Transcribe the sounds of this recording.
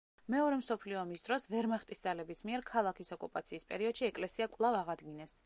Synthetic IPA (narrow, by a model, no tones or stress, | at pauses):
mɛɔɾɛmsɔpʰliɔmisd̪̥ɾɔsvɛɾmaχt̪ʼisd̪alɛbismiɛɾkʰalˠakʰisɔkʼupʼat̪sʰiːspʼɛɾiɔd̪̥ʃiɛkʼlɛsiakʼvlˠavaʁad̪ɡinɛs